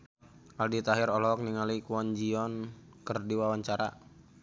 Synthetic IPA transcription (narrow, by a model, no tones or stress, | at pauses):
ʔaldit̪aɦiɾɔlɔk̚niŋalikuɔnd͡ʒiɔn | kərdiwawaɲt͡ʃaɾa̰